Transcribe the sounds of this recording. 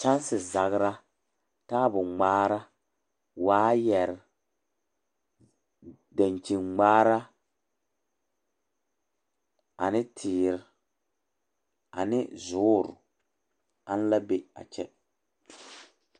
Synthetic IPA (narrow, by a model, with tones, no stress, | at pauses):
t͡ʃa˦n˦sɪ˨za˨ɣɾa˦ | taː˦bʊ˨ŋ͡maː˦ɾa˦ | waː˦jɛ˨ɾɪ˨ | da˨nt͡ʃi˨nŋ͡maː˦ɾa˦ | a̰˨nɪ˦tʰɪː˨ɾɪ˨ | a̰˨nɪ˦zʊː˦ɾʊ̰˨ | a˦n˦la˦be˦a̰˨t͡ʃɛ˦